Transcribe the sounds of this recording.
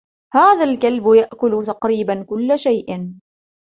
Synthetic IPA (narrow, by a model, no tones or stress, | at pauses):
haːðalkalbjaʔkʊlt̪ɑqɾiːbankʊlːaʃajʔɪn